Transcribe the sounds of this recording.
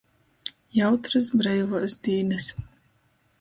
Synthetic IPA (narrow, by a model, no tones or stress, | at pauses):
jawt̪ɾɨs̬bɾɛjvɔsd̪iːnɨs